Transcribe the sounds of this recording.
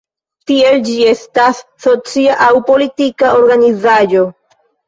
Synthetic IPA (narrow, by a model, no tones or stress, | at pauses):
t̪ie̞ld͡ʒie̞stasːot͡siaʔawpo̞litikaoɾɡanizajo̞